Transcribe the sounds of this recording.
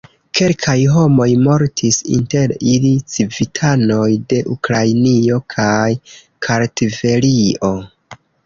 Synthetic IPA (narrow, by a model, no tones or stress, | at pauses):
ke̞lkʰajɦo̞mo̞jmo̞ɾtʰisḭnte̞ɾilit͡sivitʰano̞jde̞ʔukɾajnio̞kʰaj | kʰaɾtive̞lio̞